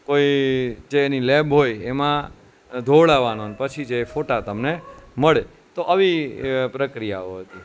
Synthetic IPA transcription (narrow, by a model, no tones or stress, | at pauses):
koid͡ʒeːnilebɦojemã | d̪ʱoʋɭaʋanonpət͡ʃʰid͡ʒeːfoʈat̪əmneməɭe | t̪oʔəʋipɾəkɾijaoɦət̪i